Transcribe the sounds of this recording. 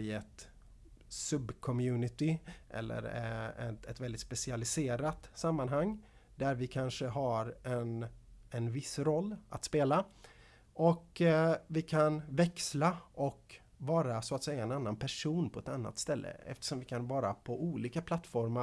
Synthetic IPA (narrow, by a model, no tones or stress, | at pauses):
ɪɛt̪ | sɵbkʰɔmjʉ̟ːnɪt̪ɪʔɛ̰lːə̰ɾɛ̰ɛt̪vɛld̪ɪt̪spɛsɪalɪseːɾat̪samːanɦaŋː | d̪æɾvɪkʰanʂəɦaɾɛnɛnvɪsɾɔlːʔa̰t̪speːla | ɔkvɪkʰanvɛkslaʔɔk | vɑːɾasoat̪sɛjːaɛnanːanpʰæʂuːnpʰɔɛt̪anːa̰t̪st̪ɛlːʔə̰ɛ̰ft̪ə̥ʂɔmvɪkʰanvɑːɾa̰pʰɔʔuːliːkapʰlat̪ːfɔɾma